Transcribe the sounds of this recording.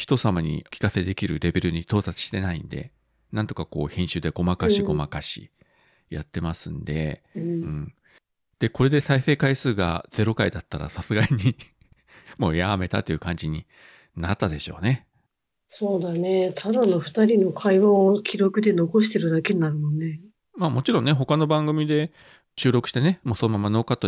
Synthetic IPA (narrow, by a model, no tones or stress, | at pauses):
çi̥t̪o̞samaɲ̟ḭkʲi̥kase̞d̪e̞kʲiɾɯ̟ɾe̞be̞ɾɯ̟ɲ̟it̪o̞ːt̪at͡si̥ɕi̥t̪e̞naḭ̃nd̪e̞̰ | nãnt̪o̞̥kako̞̰ːhẽɰ̃ɕɨːd̪e̞ɡ̥o̞makaɕiɡo̞makaɕḭ | jat̪ːe̞masɨ̃nd̪e̞̰ɯ̟̃ɴ | d̪̥e̞ko̞ɾe̞d̪e̞saise̞ːkaisɨːɡa̰d͡z̥e̞ɾo̞kaid̪at̪ːaɾa̰sasɨɡaɲ̟i | mo̞̰ːjame̞t̪at̪ːe̞iɯ̟kãɲ̟d͡ʑiɲ̟i | nat̪ːad̪e̞ɕo̞̰ːne̞ | so̞ːd̪anet̪ʰad̪ano̞ɸɯ̟̥t̪aɾʲino̞kʰaiβaokʲʰiɾo̞kɯ̟d̪e̞no̞ko̞ɕ̬i̥t̪e̞ɾɯ̟d̪akeɲinaɾɯ̟mõ̞nːe | maːmo̞t͡ɕiɾõ̞nːe̞ɦo̞kano̞bãŋɡɯ̟mʲid̪e̞ | ɕɨːɾo̞kɯ̟ɕi̥t̪ene̞mo̞ːso̞nomamano̞ːkat̪ːo